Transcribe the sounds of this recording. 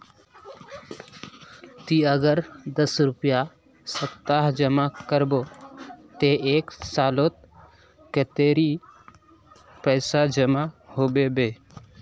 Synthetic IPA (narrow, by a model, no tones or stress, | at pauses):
t̪iəɡəɾd̪əsɾʊpja | sət̪ːaɦd͡ʒəmakəɾbo | t̪eeːksaːlot̪̚ | ket̪eːɾi | pɛːsad͡ʒəmahoːbebeː